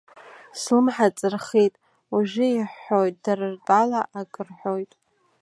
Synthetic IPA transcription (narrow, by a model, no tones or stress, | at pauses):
slɨmħat͡sʼɨrχejtʼ | uʒʷɪiħːo̞jtʼdarɨrtʼalaʔakʼɨrħʷᶣojtʼ